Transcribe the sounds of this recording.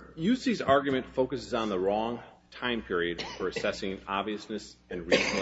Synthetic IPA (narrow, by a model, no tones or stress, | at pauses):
jʉsizɑɹɡjɨmɨ̃ntfoʊkɨsɨzn̩ðəɹɔ̃ŋ | tʰãɪ̃mpʰɪɹiɨd̥fə˞ɨsɛsɪ̃ŋɑbviɨsnɨsɨ̃nɹizn̩